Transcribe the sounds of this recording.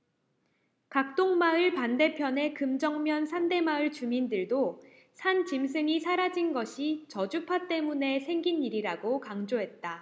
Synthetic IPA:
kak̚t͈oŋmaɯɭpande̞pʰjʌne̞kɯmd͡ʑʌŋmjʌnsʰande̞maɯɭt͡ɕumindɯɭdo | sʰant͡ɕims̬ʰɯŋisʰaɾad͡ʑinɡʌɕʰit͡ɕʌd͡ʑupʰat͈e̞mune̞sʰe̞ŋɡiniɾiɾaɡokaŋd͡ʑoɦe̞t̚t͈a

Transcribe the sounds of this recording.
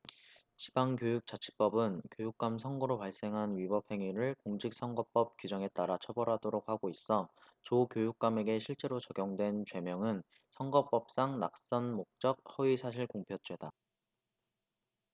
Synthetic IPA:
t͡ɕi̥baŋkjojuk̚t͡ɕ͈at͡ɕʰi̥p͈ʌbɯnkjojuk̚k͈amsʰʌŋɡoɾopaɭs͈e̞ŋɦanɥibʌp̚ʰhe̞ŋiɾɯɭkoŋd͡ʑik̚s͈ʌŋɡʌp͈ʌp̚k͈ɥid͡ʑʌŋe̞t͈aɾat͡ɕʰʌbʌɾɦadoɾok̚haɡois͈ʌ | t͡ɕokjojuk̚k͈ame̞ɡe̞ɕʰiɭt͡ɕ͈e̞ɾot͡ɕʌɡjoŋdwe̞nt͡ɕwe̞mjʌŋɯn | sʰʌŋɡʌp͈ʌp̚s͈aŋna̰k̚s͈ʌnmok̚t͡ɕ͈ʌk̚hʌɥisʰaɕʰiɭkoŋpʰjʌt͡ɕʰwe̞da

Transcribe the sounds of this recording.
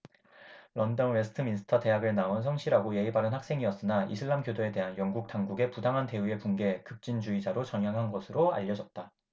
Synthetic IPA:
lʌndʌnwe̞sʰɯ̥tʰɯminsʰɯ̥tʰʌte̞ɦaɡɯɭnaons̬ʰʌŋɕʰiɾaɡoje̞ibaɾɯnhak̚s͈e̞ŋiʌs͈ɯnaʔḭsʰɯɭːamkjodoe̞de̞ɦanjʌŋɡuk̚taŋɡuɡe̞pudaŋɦante̞ue̞punɡe̞kɯp̚t͡ɕ͈ind͡ʑuid͡ʑaɾot͡ɕʌŋɦjaŋɦanɡʌsʰɯɾoa̰ʎːʌd͡ʑʌt̚t͈a

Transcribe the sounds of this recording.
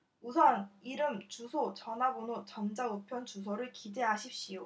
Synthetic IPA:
usʰʌniɾɯmt͡ɕusʰot͡ɕʌnabonot͡ɕʌmd͡ʑaɯpʰjʌnt͡ɕus̬ʰoɾɯɭkide̞ɦaɕʰip̚ɕ͈ijo

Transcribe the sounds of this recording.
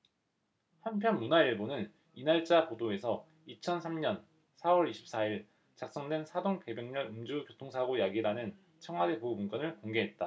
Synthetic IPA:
hanpʰjʌnmunaiɭbonɯn | inaɭt͡ɕ͈apodoe̞sʰʌ | it͡ɕʰʌnsʰamɲʌn | sʰawʌɾiɕʰi̥p̚s͈aiɭ | t͡ɕak̚s͈ʌŋdwe̞nsʰadoŋpe̞bjeŋɲʌɾɯmd͡ʑukjotʰoŋsʰaɡojaɡiɾanɯn | t͡ɕʰʌŋɦwade̞poumunɡ͈ʌnɯɭkoŋɡe̞ɦe̞t̚t͈a

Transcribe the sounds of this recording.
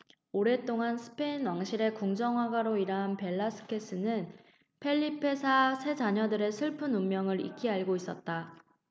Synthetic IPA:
oɾe̞t͈oŋansʰɯ̥pʰe̞inwaŋɕʰiɾe̞kuŋd͡ʑʌŋwaɡaɾoiɾaɦnpe̞ɭːasʰɯ̥kʰe̞s͈ɯnɯn | pʰe̞ʎːipʰe̞sʰasʰe̞d͡ʑaɲʌdɯɾe̞sʰɯɭpʰɯnumːjʌŋɯɾḭk͈iaɭɡois͈ʌt̚t͈a

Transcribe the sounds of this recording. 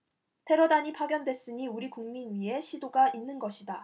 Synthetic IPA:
tʰe̞ɾʌdaɲipʰaɡjʌndwe̞s͈ɯɲiuɾikuŋminɥie̞ɕʰidoɡaʔinːɯnɡʌɕʰida

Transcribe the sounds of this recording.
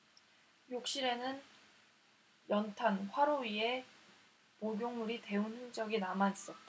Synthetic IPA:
jok̚ɕ͈iɾe̞nɯn | jʌntʰanɸwaɾoɥie̞ | poɡjoŋuɾite̞unhɯŋd͡ʑʌɡinamanis͈ʌt̚t͈a

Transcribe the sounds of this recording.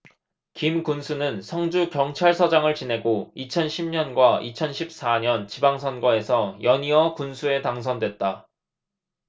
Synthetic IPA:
kimkunsʰunɯnsʰʌŋd͡ʑukjʌŋt͡ɕʰaɭsʰʌd͡ʑaŋɯɭt͡ɕine̞ɡoit͡ɕʰʌnɕʰimɲʌnɡwait͡ɕʰʌnɕʰip̚s͈aɲʌnt͡ɕibaŋsʰʌnɡʌe̞sʰʌjʌɲiʌkunsʰue̞taŋs̬ʰʌndwet̚t͈a

